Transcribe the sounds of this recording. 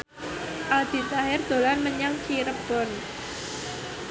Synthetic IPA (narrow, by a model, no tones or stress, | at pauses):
ʔald̪̥i̤t̪aɦɪrd̪̥o̤lanməɲaŋt͡ʃʰiɾəb̥ɔn